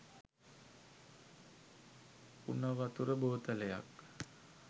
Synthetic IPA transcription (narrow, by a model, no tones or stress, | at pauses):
ṵnəʋat̪uɾəboːt̪ələja̰k